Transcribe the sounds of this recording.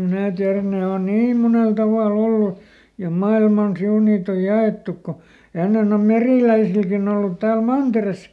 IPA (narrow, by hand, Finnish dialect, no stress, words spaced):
mnæː tiæræn̆ ne on niːm munel tɑʋɑˑl olːu jɑ mɑilmɑn siun niːt oj jɑeˑtːuk ko enːen om meriˑlæisilkin olːut tæːl mɑnteres